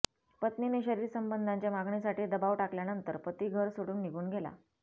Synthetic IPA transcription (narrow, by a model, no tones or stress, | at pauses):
pət̪nineɕəɾiːɾsəmbənd̪ʱaɲt͡ɕjamaɡɳisaʈiːd̪əbaʋʈakljanənt̪əɾpət̪iːɡʱəɾsoɽuːnːiɡʱuːnɡʱela̰